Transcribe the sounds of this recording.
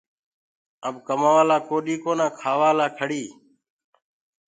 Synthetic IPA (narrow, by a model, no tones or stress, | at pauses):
əbkəmaːʋaːlaːkoːɗiːkoːnãːkʰaːʋaːlaːkʰəɽiː